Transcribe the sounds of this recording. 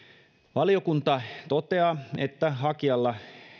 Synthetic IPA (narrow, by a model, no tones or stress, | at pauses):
ʋɑlijokunt̪ɑt̪ot̪eɑet̪ːæɦɑkiɑlːɑ